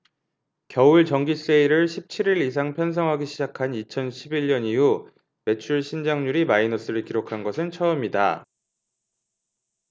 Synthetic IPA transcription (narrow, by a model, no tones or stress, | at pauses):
kjʌuɭt͡ɕʌŋɡis͈eiɾɯɭɕʰip̚t͡ɕʰiɾiɾis̬ʰaŋpʰjʌns̬ʰʌŋɦaɡiɕʰid͡ʑakʰanit͡ɕʰʌnɕʰibiʎɲʌniɦu | me̞t͡ɕʰuɭɕʰind͡ʑaŋɲuɾimainʌs͈ɯɾɯɭkiɾokʰanɡʌsʰɯnt͡ɕʰʌɯmida̰